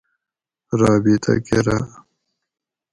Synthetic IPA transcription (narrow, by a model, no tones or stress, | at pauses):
ɾɑːbit̪ʰa̰keɾa